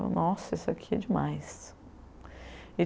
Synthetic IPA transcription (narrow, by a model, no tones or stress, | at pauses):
ʊ̰nɔsʊesakʰiɛd͡ʒɪmajs | e